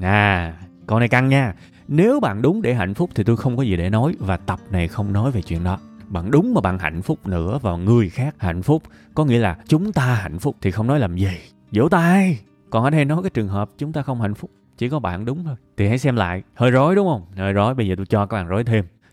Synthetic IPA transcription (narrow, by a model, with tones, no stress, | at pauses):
ʔaː˨˩ | kɔ˧˩na˨˩jka˧˩ŋɲaː˧ | ne˨˦wɓa̰ː˧˨nɗʊ˨˦ŋ͡mɗe˧˩ɦa̰˧˨jŋ̟fʊ˦˥k͡p̚t̪ʰi˨˩t̪o˧jxə˧wŋ͡mkɔ˨˦zi˨˩ɗḛ˧˩nɔ˨˦jvaː˨˩t̪ə˨˩p̚na˨˩jxə˧wŋ͡mnɔ˨˦jve˨˩t͡ɕwḭ˧˨ənɗɔ˨˦ɓa̰ː˧˨nɗʊ˨˦ŋ͡mmaː˨˩ɓa̰ː˧˨nɦa̰˧˨jŋ̟fʊ˦˥k͡p̚nɨ̰˧˥əvaː˨˩ŋɨ˨˩əjxaː˦˥k̚ha̰˧˨jŋ̟fʊ˦˥k͡p̚kɔ˨˦ŋḭ˧˥əlaː˨˩t͡ɕʊ˨˦ŋ͡mt̪aː˧ɦa̰˧˨jŋ̟fʊ˦˥k͡p̚t̪ʰi˨˩xə˧wŋ͡mnɔ˨˦jlaː˨˩mzi˨˩ | zo̰˧˥˦wt̪aː˧j | kɔ˨˩nʔəː˧˩ɗə˧jnɔ˨˦jkaː˨˦jt͡ɕɨ˨˩əŋɦəː˨˩p̚t͡ɕʊ˨˦ŋ͡mt̪aː˧xə˧wŋ͡mha̰˧˨jŋ̟fʊ˦˥k͡p̚ | t͡ɕi˧˩kɔ˨˦ɓa̰ː˧˨nɗʊ˨˦ŋ͡mt̪ʰo˧jt̪ʰi˨˩ɦa̰˧˥jsɛ˧mla̰ː˧˨jhəː˧jzo˨˦jɗʊ˨˦ŋ͡mhə˧wŋ͡mhəː˧jzo˨˦jɓə˧jzəː˨˩t̪o˧jt͡ɕɔ˧kaː˧˦˥k̚ɓaː˨˩zo˨˦jt̪ʰe˧m